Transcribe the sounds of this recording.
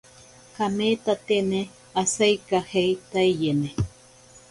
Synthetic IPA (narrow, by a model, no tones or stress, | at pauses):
kameːt̪at̪ene | asejkahejt̪aijene